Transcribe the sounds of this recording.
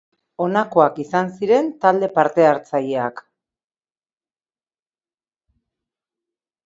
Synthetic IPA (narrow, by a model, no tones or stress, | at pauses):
o̞nako̞akisansiɾe̞nt̪ald̪e̞paɾt̪e̞aɾt͡sajeak